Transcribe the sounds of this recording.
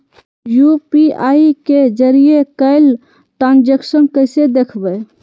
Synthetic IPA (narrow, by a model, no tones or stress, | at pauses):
jupiaiked͡ʒəɾiekəɪl | ʈãnd͡ʒeksənkəɪsed̪ekʰbə